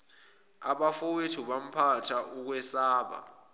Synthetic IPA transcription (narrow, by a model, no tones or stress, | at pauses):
aɓafowetʰuɓam̩pʰatʰaʔuk̬wɛsaːɓa̰